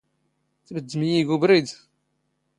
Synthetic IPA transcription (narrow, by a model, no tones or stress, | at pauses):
θbəd̪ːəmjiɡubɾid̪